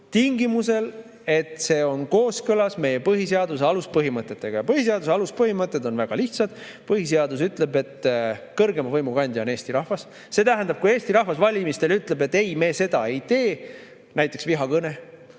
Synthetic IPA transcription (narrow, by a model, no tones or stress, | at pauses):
t̪iŋɡimuse̞l | e̞t̪ˑse̞ːo̞nko̞ːskɤlɑsme̞je̞pɤɦiseɑd̪useɑluspɤɦimɤt̪ˑːet̪ːˑe̞ɡ̥ɑjɑpɤhis̬eɑd̪us̬eɑluspɤɦimɤt̪ːˑe̞d̪o̞nvæɡ̥ɑliht̪sɑd̪̥ | pɤhis̬e̞ɑd̪us̬yt̪ˑle̞be̞t̪kɤrɡe̞mɑvɤjmukɑnʲd̪̥ʲione̞ːst̪iɾɑhvɑs | se̞t̪æɦænd̪ɑb̥̚kuje̞ːsʲt̪iɾɑhvɑsvɑlʲimist̪e̞lyt̪ˑle̞be̞t̪ːe̞jme̞ːse̞d̪̥ɑe̞jt̪e̞ː | næjt̪ːˑe̞ksviɦɑkɤne̞